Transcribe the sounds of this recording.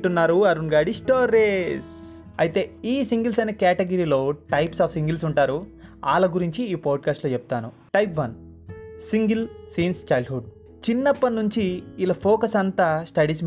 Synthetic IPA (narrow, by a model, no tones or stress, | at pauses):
ʈunːaːɾuɐɾunɡaːɖisʈoːɾes | ɐjt̪e̞ːiːsiŋɡilsɐjnɐkɛːʈeɡɐɾiːlo̞ːʈɐjpsaːfʰsiŋɡilsuɳʈaːɾuaːlɐɡuɾiɲt͡ʃiːpaːɖ̚kaːsʈloːt͡ʃɛp̚ːt̪aːnṵ | ʈɐjpʋɐn | siŋɡilsiːnst͡ʃɐjlɖɦuɖ | t͡ʃinːɐpːɐnːuɲt͡ʃiːlɐpʰoːkɐsɐnt̪aːsʈɐɽis